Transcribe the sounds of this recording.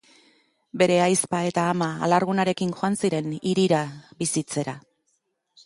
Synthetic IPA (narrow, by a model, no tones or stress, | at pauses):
be̞ɾe̞ajspae̞t̪aːma̰ːlaɾɣunaɾe̞kiŋʝoansiɾe̞niɾiɾabisit͡se̞ɾa